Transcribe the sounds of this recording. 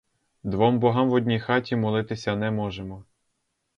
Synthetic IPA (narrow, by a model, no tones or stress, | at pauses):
d̪ʋɔmbɔɦɑmʋɔdʲnʲijxɑtʲimɔlˠɪt̪ɪsʲɐnɛmɔʒemɔ